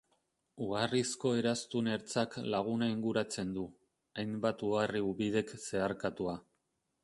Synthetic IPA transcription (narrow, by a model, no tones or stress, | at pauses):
uɣarisko̞e̞ɾast̪une̞ɾt͡saklaɣ̞unaiŋɡuɾat͡se̞nd̪u | ajmbat̪uɣariuβið̞e̞kse̞aɾkat̪ua